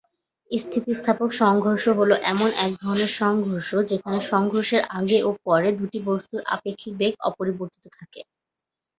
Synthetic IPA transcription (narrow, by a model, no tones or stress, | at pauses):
ist̪ʰit̪ist̪ʰapokʃɔŋɡʱoɾʃoɦoloʔɛmonʔɛk̚d̪ʱɔɾoneɾʃɔŋɡʱoɾʃod͡ʑekʰaneʃɔŋɡʱoɾʃeɾʔaɡeʔopɔɾed̪uʈibost̪uɾʔa̰pekʰːibeɡɔ̰poɾiboɾt̪i̥t̪ot̪ʰake